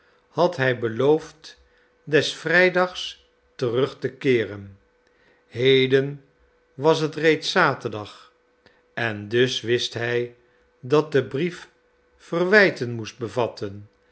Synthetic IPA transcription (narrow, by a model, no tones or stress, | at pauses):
hɑtɦɛjbəlowft | dɛsfrɛjdɑχs | tərɵχtəkɪːrən | ɦejdən | ʋɑs̬ɦətrejtsaːtərdɑχ | ɛndɵsʋɪstɦɛj | dɑt̚dəbrif | fərʋɛjtənmust̚bəvɑtʰən